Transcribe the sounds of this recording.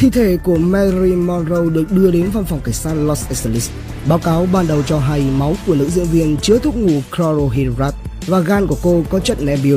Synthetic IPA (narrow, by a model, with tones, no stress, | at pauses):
t̪ʰḭ˧˨t̪ʰe˧˩ku˧˩əmɛ˧zi˧mɔ˧nzo˧wɗɨ˨˩ək̚ɗɨ˧əɗe˨˦nva˧mfa˨˩wŋ͡mkaː˧˩jsaː˧n̚lɔ˧sɛ˧sli˦˥s | ɓaː˨˦wkaː˨˦wɓaː˨˩nɗə˨˩wt͡ɕɔ˧ɦa˧jma˨˦wku˧˩ənɨ̰˧˥zɨ̰˧əŋvi˧ənt͡ɕɨ˨˦ət̪ʰʊ˦˥k͡p̚ŋu˨˩kɾɔ˧zo˧ɦi˧zaː˦˥t̚ | vaː˨˩ɣaː˧nku˧˩əko˧kɔ˨˦t͡ɕə˦˥t̚nɛ˧mɓi˨˦ə